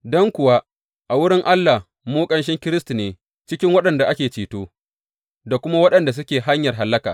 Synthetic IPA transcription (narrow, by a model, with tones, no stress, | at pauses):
dɔ˦ŋkʷʊ˨wa˦ | ʔa˨wʊ˦ɽɪ˦ŋʔa˦lːa˨h | moː˦kʼɐ˦nʃ̬ɪ˦ŋkʲɪ˦ɾɪ˦stu˨neː˨ | t͡ʃɪ˦kʲɪ˦ŋwɐ˦ɗɐ˨nda˨ʔa˦kʲeː˨t͡ʃiː˨toː˦ | da˨kʷʊ˦ma˦wɐ˦ɗɐ˨nda˨s̬ʊ˦kʲeː˨ɦa˦ɲjɐ˨rɦa˨lːɐ˦ka̰ː˨